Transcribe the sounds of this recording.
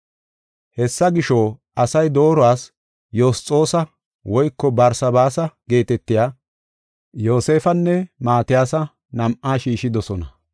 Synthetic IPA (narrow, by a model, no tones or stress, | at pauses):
hɛsːɐɡɪʃoːʔɐsɐjd̪o̞ːɾɔaːs | joːst͡sʼːo̞ːsɐ | wɔjkːɔbɐɾsɐbaːsɐɡe̞ːt̪ɛt̪ːɪjaː | joːse̞ːfɐnːɛmaːt̪ɪjaːsɐ | nɐmʔaːʃiːʃɪd̪ɔsɔnɐ